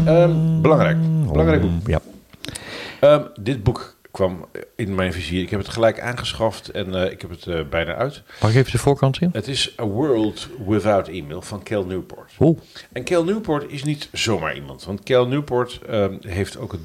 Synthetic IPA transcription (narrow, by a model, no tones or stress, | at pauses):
əbəlɑŋrɛjkbəlɑŋrɛjɡ̚bukja | ədɪd̚buk | kʋɑmɪnmɛjnfiziəɹɪkɦɛpətχəlɛjka̰ːnχəsχɑftɛnɪ̰khɛpətbɛjna̰ːʔœɥtmaɪkevədəvʊːɹkɑntɪnətɪsəwɜɹlˠtwɪθawtiːmḛlˠv̥ɑnkʰɛlˠnupɔ̰ɹtoʔɛnkɛlˠnyːpɔɹtɪsnitz̥owma̰ːɹʔḭmɑ̰ntʋɑntkɛlˠnypɔɹtəɦejftʰowkɦə